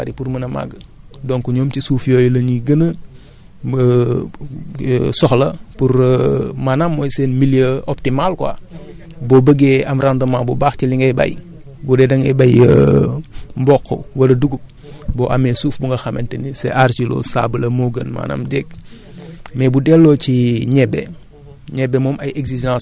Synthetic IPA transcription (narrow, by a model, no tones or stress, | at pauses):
aɾipuɾmɐnɐma̰ɡə | dɔnkuɲoːmtisuːfjojlɐɲiɡənə | sɔxlɐpuɾmaːnamːojseːnmiljəɔp̚timalkwa̰ː | bobəɡeɐmɾandɐmaːbubaːxciliŋɡɛba̰j | budɛdɐŋɛbɐjə | mbɔkʰːɔ̰wɐlɐduɡup̚ | bɔːʔɐmɛsuːfbuŋɡɐxɐmɛntɛnisɛ̰ʔaɾcilɔ̰sa̰bəlɐmoɡənma̰ːna̰mdɛk̚ | mɛbudɛlːɔciɲɛbːɛ | ɲɛbːɛmɔːmɐjeɡsiʒɑ̃s